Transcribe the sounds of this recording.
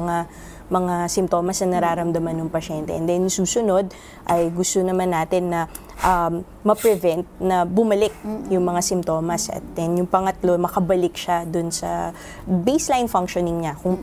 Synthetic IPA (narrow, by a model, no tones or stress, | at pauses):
ŋa | mɐŋasɪmt̪o̞ːmɐsnɐnɐɾaːɾɐmd̪ɐmanːʊŋpɐʃɛnt̪ɛ̰ʔɛ̰nd̪ɛnjʊŋsuːsʊno̞d̪̚ | ʔɐjɡʊst̪onɐmanːaːt̪ɪnːɐ | ʔɐ | mɐpɾɛvɛnt̪̚nɐbʊmɐlɪk̚jʊŋmɐŋasɪmt̪o̞ːmɐsɐ̰t̪̚d̪̥ɛnjʊŋpɐŋɐt̪lo̞mɐkɐbɐlɪkʃad̪ʊnsɐ̰ | bejslajnfaŋkʃonɪŋɲakʊŋ